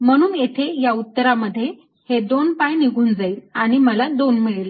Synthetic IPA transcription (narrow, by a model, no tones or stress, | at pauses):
məɽ̃uːnet̪ʰejaut̪ːəɾaməd̪ʱːje | hed̪onpajniɡʱuːnd͡zaiːlaɽ̃iməlad̪onmiɭle